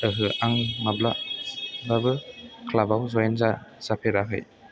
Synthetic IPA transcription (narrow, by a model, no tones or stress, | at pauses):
əɦɯʔaŋmabla | babɯkʰlabawzɔjɛnzaz̥apʰeɾaɦɯ̰j